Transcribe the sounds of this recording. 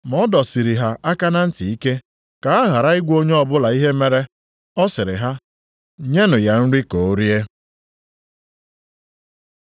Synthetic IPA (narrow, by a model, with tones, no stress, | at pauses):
mɔ˦dɔ˨si˨ɾi˨ɦa˨ʔa˦ka˦na˦n̩˦ti˨i˦ke˦ | ka˨a˦ɣa˨ɾa˦ɪ˦ɡʷo˦ɲe˦ɔ˦bʊ˦la˨i˦ɦe˦me˦ɾe˦ | ɔ˦sɪ˨ɾɪ̰˨ɦa˦ | ɲe˦nʊ˨ja˨n̩˦ɾi˦ko˨o˦ɾje˦